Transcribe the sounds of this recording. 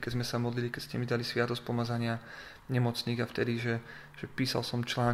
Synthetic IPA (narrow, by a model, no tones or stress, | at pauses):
kɛzmɛsamɔd̪lilikɛcscɛmid̪alisʋɪat̪ɔsc̚pɔmad͡zaɲɪa | ɲɛmɔt͡sniːɣaft̪ɛd̪iʒɛ | ʒ̥ɛpiːsa̰lsɔmt͡ʃlaːn